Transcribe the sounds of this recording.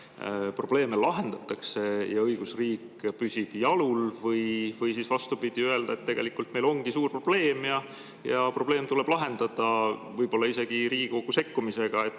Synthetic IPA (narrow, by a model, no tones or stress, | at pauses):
pro̞b̥le̞ːmelɑɦe̞nd̪̥ɑt̪ːˑɑkse̞jɑɤjɡ̥usriːkpysʲib̥jɑlulvɤjvɤjsiːsvɑst̪upid̪̥iøe̞ld̪ɑe̞t̪ːe̞ɡ̥e̞likːˑult̪me̞jlo̞ŋɡ̥isuːrpro̞b̥le̞ːmjɑ | jɑpro̞b̥le̞ːmt̪uleb̥lɑɦe̞nd̪ɑd̪̥ɑvɤjbo̞lːɑise̞ɡ̥iɾiːɡ̥iko̞ɡ̥use̞kːumise̞ɡ̥ɑe̞t̪ː